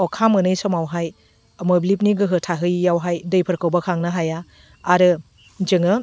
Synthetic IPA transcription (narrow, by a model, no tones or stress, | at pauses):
ɔkʰamɯnɯjsɔmawɦaj | mɯblip̬̚niɡɯɦɯtʰaɦɯjːawɦajdɯjpʰɯɾkʰɯwbakʰaŋnaɦajaː | ɾɯ | d͡ʒɯŋɯ